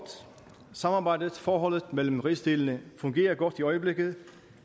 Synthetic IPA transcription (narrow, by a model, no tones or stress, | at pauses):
d̥ | sɑ̈mɑ̈ːbɑ̈ɪd̥əðˠfɒːɦɒ̽l̰ð̩ˠmel̰m̩ʁisd̥e̝ln̩əfɔ̽ŋɡe̝̰ːɐɡ̥ɒd̥iɒ̽ɪəble̝ɡ̥əð̩ˠ